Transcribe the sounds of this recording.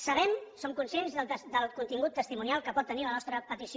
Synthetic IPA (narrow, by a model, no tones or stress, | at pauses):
səβ̞ɛmsomkunsjenzðələsd̪əlˠkunt̪iŋɡut̪ːəst̪imunialˠkəpɔt̪ːənilənɔst̪ɾəpət̪isi